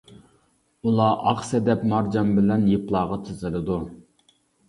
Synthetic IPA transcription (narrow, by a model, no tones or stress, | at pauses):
ulˠɑːʔɑqsɛd̪ɛpmɑɾd͡ʒɑmbɪlɛnjeplˠɑːʁɑt̪ʰɨzɨlˠɨd̪u